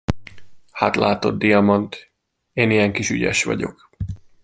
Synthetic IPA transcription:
hat̪la̰ːt̪o̞d̪d̪ijɒmont̪ | eːnijɛŋkiʃy̰ɟɛ̰ʃʋɒ̰ɟo̞̰k

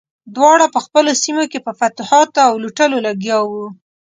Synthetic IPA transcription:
d̪wɑɽapəxpəlosimokepəfat̪hɑt̪awluʈəlolaɡjɑwu

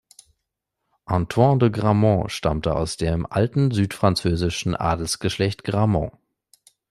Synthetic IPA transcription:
ʔɑ̃tʰwɑ̃dəɡʁamɑ̃ʃtamtəa̰ʊsd̥eːmʔaltn̩zyːtfʁ̥ant͡søːzɪʃn̩ʔa̰ːdl̩sɡ̥əʃlɛçtɡ̥ʁamɑ̰̃

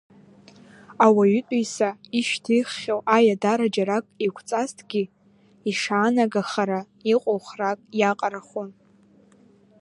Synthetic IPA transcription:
awaɥytʷʼijsaiʃtʰiχːʲawʔajadaɾad͡ʒaɾakʼikʷʰt͡sʼastʰɡʲɪ | iʂaːnaɡaχaɾa | iqʼowχrakʼjaqʼaɾaχon

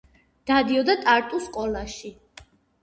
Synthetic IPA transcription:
d̪̥ad̪iɔd̪at̪ʼaɾt̪ʼuskʼɔlˠaʃi

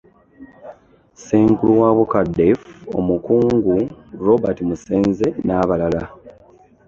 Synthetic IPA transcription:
seːŋkuluwaβokadefo̞̰mukuːŋɡuɾo̞batimuseːnze̞naːβalala

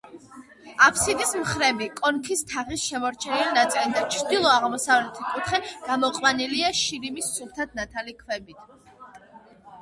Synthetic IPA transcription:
apʰsid̪ismχɾɛbikʼɔnkʰist̪ʰaʁisʃɛmɔɾt͡ʃʰɛnilnat̪sʼilid̪at͡ʃʰɾd̪ilˠɔaʁmɔsavlɛt̪ʰikʼut̪χɛɡ̥amɔqʼwaniliaʃiɾimisːult̪ʰat̪̚ʰnat̪ʰalikʰwɛbit̪ʰ

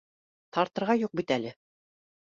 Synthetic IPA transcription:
t̪ɑɾt̪ɤ̆ɾʁɑjuq̚bit̪ælɘ

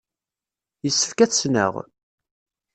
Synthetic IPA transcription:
jəsːə̥fkæt͡sːnə̰ʁ

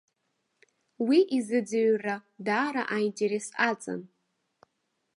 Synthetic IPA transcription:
wiʔizɨd͡zɨɥradaːɾa̰ʔajntʰʼeɾesat͡sʼa̰n

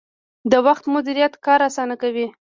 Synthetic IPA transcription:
d̪əwaxt̪mʊd̪iɾijat̪kɑɾasɑnakawi

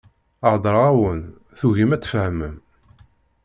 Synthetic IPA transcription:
əʕd̪ˤɾˤæwən | θuʝimæt͡sːfəhəməm

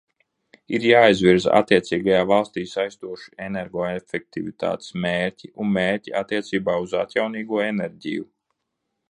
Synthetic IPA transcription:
iɾjaːizviɾza̰t̪ːiɛt̪siːɡajaːvalˠst̪iːsajst̪uɔʃu̥eneɾɡɔːefɛk̚t̪ivit̪a̰ːt̪e̥smeːɾciunmeːɾciʔat̪ːiɛt̪siːbaːuza̰t̪jawniːɡuɔenɛɾʲɟḭju

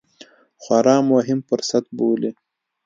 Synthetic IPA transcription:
xwaɾɑːmoɦɪmpəɾsat̪̚boːle

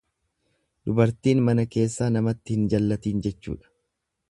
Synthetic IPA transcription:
d̪ʊbɐɾt̪iːnmɐnɐke̞ːsːaːnɐmɐt̪ːɪhɪnd͡ʒɐlːɐt̪iːnd͡ʒɛt͡ʃːṵːᶑɐ̥

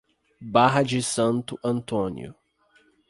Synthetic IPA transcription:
baɦɐd͡ʒɪsɐ̃nt̪ʊʔɐ̃nt̪õnj̰ʊ̰

